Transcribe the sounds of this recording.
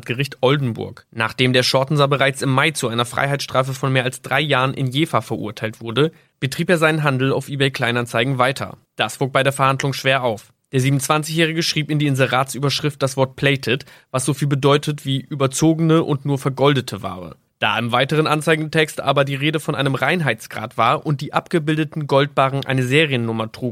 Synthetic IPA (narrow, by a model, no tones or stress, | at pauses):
tɡ̥əʁɪçtʔɔldn̩bʊ̰ɐkna̰ːχd̥eːmdeːɐʃɔɐtn̩zabəʁaɪt͡sɪmːaɪt͡suʔaɪnɐfʁ̥a̰ɪɦaɪtsʃtʁ̥aːfəfɔnmeːɐʔalsd̥ʁaɪjaːʁənʔɪ̰njeːfafɛɐʔṵːɐtʰaɪltv̥ʊɐdə | b̥ətʁ̥iːpeːɐzaɪnənɦandl̩a̰ʊfʔiːbɛɪkl̥aɪnant͡saɪɡŋ̩vaɪtʰɐ̰d̥asv̥oːk̚b̥aɪdeːɐfɛɐhandlʊŋʃv̥eːɐaʊf | d̥eːɐziːbmn̩t͡sv̥ant͡sɪçjɛːʁ̞ɪɡəʃʁ̥iːpɪndiːɪnzəʁaːtsʔyːbɐʃʁ̥ɪft̚d̥asv̥ɔɐt̚pʰl̥ɛɪtʰɛt | vasz̥ofiːlbədɔʏtʰətv̥iːʔyːbɐt͡soːɡənəʔʊ̰ntnuːɐfɛɐɡɔldətʰəva̰ːʁə̰ | d̥a̰ːʔɪmvaɪtəʁ̞ənʔant͡saɪɡŋ̩tʰɛkstʔa̰ːbɐdiːʁeːdəfɔnʔa̰ɪnəmʁaɪnɦaɪt͡sɡ̥ʁa̰ːtv̥aːɐʔʊnt̚d̥iːʔapɡ̥əbɪldətn̩ɡɔlt̚b̥aːʁn̩ʔa̰ɪnəzeːʁiənːʊmɐtʁ̥uːɡ